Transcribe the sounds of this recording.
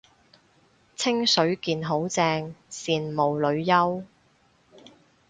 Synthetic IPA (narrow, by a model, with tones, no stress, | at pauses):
t͡sʰɪ˥ŋsɵ˨˥ɥkiː˨˧nɦo˨˥wt͡sɛː˧ŋsiː˨nmo˨wlɵ˨˧ɥjɐ˥w